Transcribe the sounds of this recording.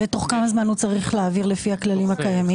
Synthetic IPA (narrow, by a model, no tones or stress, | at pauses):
beto̞χkamazmanhut͡saʁiχleaviʁlefiaklalimhakajami